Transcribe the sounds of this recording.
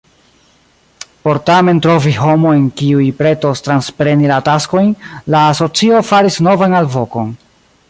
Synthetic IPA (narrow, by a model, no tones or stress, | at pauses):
po̞ɾtame̞ntɾo̞viho̞mo̞enkiujpɾe̞tostɾanspɾe̞nilatasko̞jnlaːso̞t͡sio̞faɾisno̞vanalvo̞ko̞n